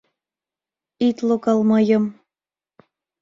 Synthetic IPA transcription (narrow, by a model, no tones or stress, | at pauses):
it̪lokɑlmɤjəm